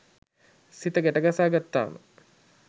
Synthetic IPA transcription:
sit̪əɡæʈəɡasaːɡat̪ːa̰ːmə̰

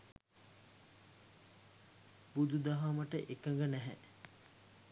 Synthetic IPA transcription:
bud̪ud̪aɦaməʈəʔekəŋɡənæɦɛ

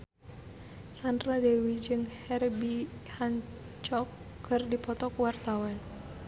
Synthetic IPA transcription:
sandradewid͡ʒɨŋhɛrbihaɲ | t͡ʃɔkː | ərdipɔt̪ɔkuwart̪awan

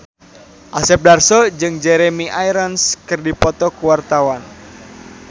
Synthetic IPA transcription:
ʔasɛp̚darsɔd͡ʒɨŋd͡ʒɛɾɛmiʔajɾɔnskɨrdipɔt̪ɔkuwart̪awan

